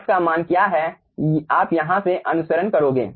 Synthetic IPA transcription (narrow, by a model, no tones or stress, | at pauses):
pkamaːnkjaːɦɛ | aːpjɐɦãseʔɐnʊsəɾənkɐɾoːɡḛː